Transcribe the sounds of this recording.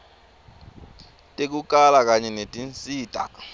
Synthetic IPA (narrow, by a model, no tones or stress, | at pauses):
tʼek̬uk̬ʼalak̬ʼaɲɛnetʼint͡sʼiːd̥ʱʼa̰